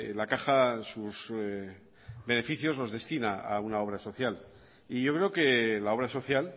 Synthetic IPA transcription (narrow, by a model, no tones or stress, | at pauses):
lakaxasuz | be̞ne̞fiθjo̞zlo̞zðe̞st̪inaa̰unao̞β̞ɾaso̞θjal | iʝo̞kɾe̞oke̞lao̞βɾaso̞θjal